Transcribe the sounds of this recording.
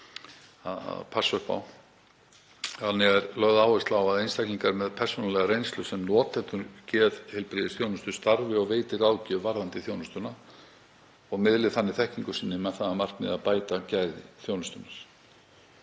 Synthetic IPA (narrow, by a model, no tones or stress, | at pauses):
a̰pʰasœhpa̰w | hanːɪɣɛɾlœɣðaːwɪst̪lawaðejnst̪ajkniŋkaɾmɛðpʰɛr̥sonalɛɣaɾejnst̪lʏsɛmnɔːt̪ːɛt̪ʏɾcɛːðhɛlpɾɪðɪsθjownʏst̪ʏ̥st̪aɾvɪɔɣveːjt̪ɪɾaːwcɪvaɾðant̪ɪθjoːwnʏst̪ʏna | ɔɣmɪðlɪðθanːɪθɛhciŋkʏ̥siːnːɪmɛðθaðamar̥t̪mɪ̰ðaðpaːjt̪acajðɪθjownʏst̪ʏnaɾ̥